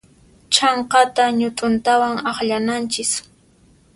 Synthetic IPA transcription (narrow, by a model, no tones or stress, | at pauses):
t͡ʃɑɴqɑt̪aɲʊt̪ʼʊnt̪awaŋɑχʎanant͡ʃɪs